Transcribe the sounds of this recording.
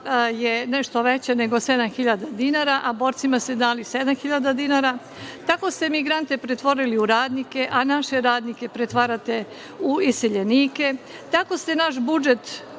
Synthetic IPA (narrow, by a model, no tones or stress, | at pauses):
jeneʃt̪o̞ʋet͡ɕene̞ɡo̞sed̪amxiʎad̪ad̪inaɾaʔabo̞ːɾt̪simast̪ed̪aːlised̪amxiʎad̪ad̪inaɾa | t̪ako̞st̪e̞miɡɾant̪e̞pɾet̪ʋo̞ɾiliuɾaːd̪nike̞ʔanaʃe̞ɾaːd̪nike̞pɾet̪ʋaɾat̪e̞ | uiseʎeniːke̞ | t̪ako̞st̪e̞naʃbud͡ʒe̞t̪